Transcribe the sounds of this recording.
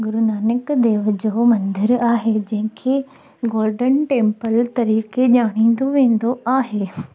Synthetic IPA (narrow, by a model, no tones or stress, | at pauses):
ɡʊɾʊnaːnɪkd̪eːʋəd͡ʑoːmɐ̃nd̪ɪɾaːɦed͡ʑɐ̃ɦɪ̃kʰe | ɡoːɾɖənʈẽːmpəlt̪ɐɾiːkeʄaːɽ̃ĩːn̆d̪oʋẽːn̆d̪oaːɦeː